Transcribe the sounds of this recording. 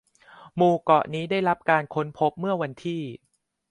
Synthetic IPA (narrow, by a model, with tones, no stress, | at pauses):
muː˨˧˩kɔ˨˩ʔniː˦˥daː˥˩jɾa˦˥p̚kaː˧nkʰo˦˥npʰo˦˥p̚mɯ˥˩ɐwa˧nt̪ʰiː˥˩